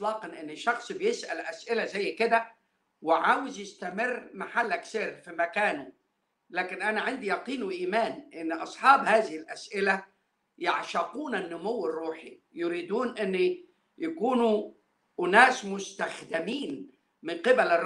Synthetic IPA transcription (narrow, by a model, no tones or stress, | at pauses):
lɑːqɑnʔɪnːɪʃːɑxsˤbɪjɪsʔælʔæsʔɪlæzæjːkɪd̪æ | wɪʕaːwɪzjɪst̪æmɪrːmaħalːækseːɾfimækæːnu | læːkɪnʔænaʕand̪ijɑqiːnuʔiːmaːnʔɪnːʔɑsˤħɑːbhaːzɪhɪlʔæsʔɪlæ | jaʕʃɑquːnanːʊmʊwːɪrˤːuːħi | jʊɾiːd̪uːnʔɪnː | jakuːnu | ʔʊnæːsmʊst̪æxd̪ɪmiːn | mɪnqɪbælɪrˤ